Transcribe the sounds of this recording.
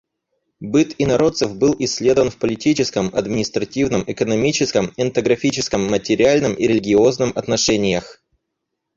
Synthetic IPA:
bɨt̪inɐɾo̞t̪səfbɨlˠɪsʲːlʲe̞d̪əvənfpəlʲɪtʲit͡ɕɪskəmɐ̰d̪mʲɪnʲɪst̪ɾɐtʲivnəmɪkənɐmʲit͡ɕɪskəmɛnt̪əɡɾɐfʲit͡ɕɪskəmːətʲɪɾʲɪalʲnɨmʔiɾʲɪlʲɪɡʲɪo̞znɨmɐt̪nɐʂɛnʲɪjəx

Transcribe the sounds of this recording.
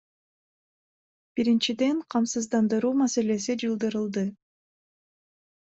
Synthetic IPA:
b̥iɾint͡ʃid̪e̞ɴqʰɑmsɯzd̪ɑnd̪ɯɾuːmase̞le̞sid͡ʒɯlˠd̪ɯɾɯlˠd̪ɯ

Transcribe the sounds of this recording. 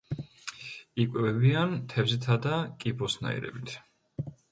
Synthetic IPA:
ikʼwɛvɛbiant̪ʰɛvzit̪ʰad̪akʼibɔsna̰ḭɾɛ̰bit̪ʰ

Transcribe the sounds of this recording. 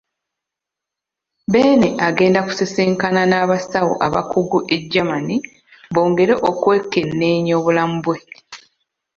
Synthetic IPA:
be̞ːneʔaɡe̞ːndaku̥se̞seːŋkananaːβasawo̰ʔaβa̰kʰuɡuʔe̞ɟːamani | βo̞ːŋɡe̞ɾeʔokwe̞ːkːe̞nːe̞ːɲo̞ːβulamubwe̞

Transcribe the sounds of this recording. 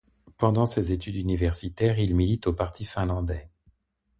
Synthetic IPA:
pɑ̃d̪ɑ̃sezet̪yd̪ynivɛʁsit̪ɛʁilmilit̪opaʁt̪ʰifɛ̃lɑ̃d̪ɛ

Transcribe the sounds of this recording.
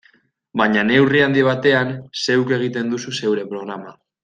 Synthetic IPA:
baɲane̞wriand̪iβ̞at̪e̞anse̞wke̞ɣ̞it̪e̞nd̪ususe̞wɾe̞pɾo̞ɣ̞ɾama

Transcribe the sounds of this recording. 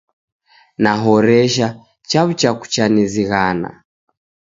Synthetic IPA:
naɦɔɾɛʃa | t͡ʃaβut͡ʃaku̥t͡ʃaniziɣana̰

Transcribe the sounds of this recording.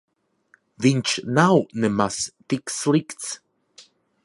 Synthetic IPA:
vint͡ʃnawnɛmast̪ikslikt͡s

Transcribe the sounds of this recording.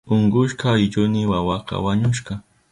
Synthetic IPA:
ʊɴɢʊʃqɑjɪʎʊnɪwawɑqɑ̰waɲʊʃqɑ

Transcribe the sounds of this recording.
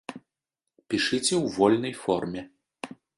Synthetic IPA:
pʲiʂɨt͡sʲɛwvɔlʲnɐjfɔrmʲɛ

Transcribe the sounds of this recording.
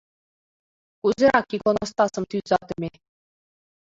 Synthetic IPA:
kuzʲɘ̆ɾɑkʲːikonŏst̪ɑsɤ̆mt̪yzɑt̪ɘ̆mʲe

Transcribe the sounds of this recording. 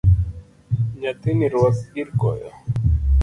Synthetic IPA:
ɲat̪iniɾwasiɾkɔ̰ja

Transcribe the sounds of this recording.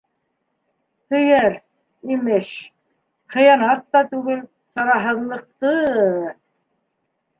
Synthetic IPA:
hɵ̆jæɾ | imɘʃ | χɤ̆jɑnɑt̪ːɑt̪ʉɡɘl | sɑɾɑɦɤ̆ðlˠɤ̆q̚t̪ɤ

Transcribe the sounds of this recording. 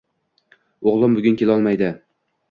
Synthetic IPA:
oʁlˠɪmbʊɡʲʊnkʲelɒlˠmajd̪ɪ

